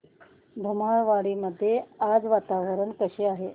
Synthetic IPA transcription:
b̪ʱumaɭʋaɽiːməd̪ʱːjead͡zʋat̪aʋəɾəɳkəɕeaɦe

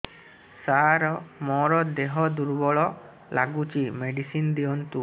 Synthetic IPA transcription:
saɾɔmɔɾɔd̪eɦɔd̪uɾbɔɭɔ | la̰ɡut͡ʃimeɖisind̪iɔnt̪u

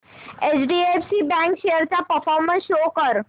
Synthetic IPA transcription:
et͡ɕɖiefsibɛ̃ŋkʃeɦəɾt̪apəfɔɾmənsʃokəɾ

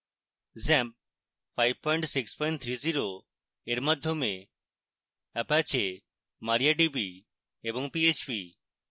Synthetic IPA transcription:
zɛmp̚ | fajʋ̚pɔjɳʈsikspɔjɳʈt̪ʰɾiziɾo | eɾmad̪ʱjome | ɛpat͡ʃʰe | maɾijaɖibi | ebɔŋpiet͡ʃpi

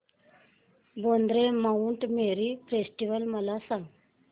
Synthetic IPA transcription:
bond̪ɾemauɳʈmeɾifɾesʈiʋəlməlasãŋɡ

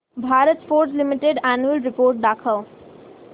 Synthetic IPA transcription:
bʱaːɾət̪foːɾslimiʈeɖanuəlɾɪpoːɾʈ̚d̪aːkʰəl

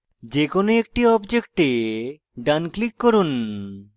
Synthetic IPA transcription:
d͡ʑekonoek̚ʈiɔbd͡ʑek̚ʈe | ɖanklikːɔɾun

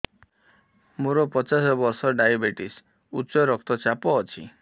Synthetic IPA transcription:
muɾɔpɔt͡ʃasɔbɔɾsɔɖajabeʈis | ut͡ʃɔɾɔk̚t̪ɔt͡ʃapɔːt͡ʃʰḭ

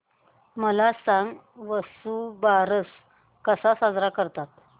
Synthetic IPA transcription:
məlasãŋɡ | ʋəsubaɾəs | kəsasad͡zɾakəɾt̪at̪̚

